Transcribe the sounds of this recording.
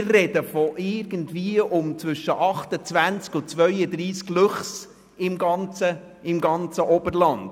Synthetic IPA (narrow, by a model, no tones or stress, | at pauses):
ɪrrɛd̥əfɔʔɪɾɡ̥ən̩dviəʔʊmt͡sʋʏʃːəʔɑχtət͡sʋænt͡skʊt͡sʋœʏədɾiːsklʉχs | ɪmɡɑnt͡sə | ɪmɡɑnt͡səʔɔbəɾlɑnd